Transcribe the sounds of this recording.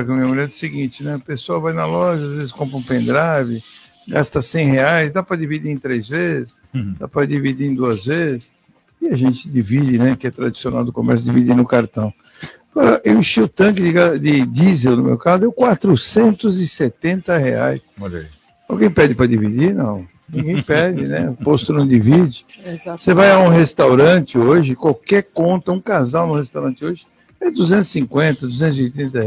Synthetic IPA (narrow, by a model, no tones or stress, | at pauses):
ɐkɪɐmĩɐmulɛ̃d̪ɪsɪɡĩt͡ʃɪnɛpesoɐvajnɐlɔʒɐazvezɪskõmpɾɐũpẽnd̪ɾavɪ | ɡast̪ɐsẽj̃heajsd̪apɾɐdivid͡ʒiẽt̪ɾezvezɪsd̪a̰pɾɐdivid͡ʒiẽd̪uɐzvezɪs | ɪɐʒẽnt͡ʃɪd̪ivid͡ʒɪnɛkɪɛt̪ɾad͡ʒi̥sionawd̪ʊkomɛɾs̬ʊd̪ivid͡ʒ̪inʊkaɾt̪ɐ̃w̃ | aɡɔɾɐʔewiʃiʊt̪ɐ̃k̬ɪd̪ɪɡad̪ɪd͡ʒ̪izelnʊmḛwkazʊd̪ewkwat̪ɾʊsẽnt̪ʊzɪset̪ẽnt̪ɐhea̰jsoʎɐ̰i | awɡẽj̃pɛd͡ʒɪpɾɐd͡ʒivid͡ʒinɐ̰̃w̃ | nĩɡẽj̃pɛd͡ʒɪnɛ̰post̪ʊnɐ̃w̃d̪ivid͡ʒɪasevajaũhest̪awɾɐ̃t͡ʃɪoʒɪkwawkɛɾkõnt̪ɐũkazawnʊ̃hest̪awɾɐ̃nt͡ʃɪoʒɪ | ɛd̪uzẽnt̪ʊ̥sĩŋkwẽnt̪ɐd̪uzẽnt̪ʊziojt̪ɾẽnt̪̬ɐ